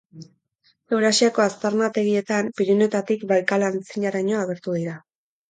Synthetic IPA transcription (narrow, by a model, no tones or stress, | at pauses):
e̞wɾasiako̞ast̪aɾnat̪e̞ɣ̞ie̞t̪ampiɾine̞t̪at̪ikβalkalant͡siɲaɾaɲo̞aɣ̞e̞ɾt̪uðiɾa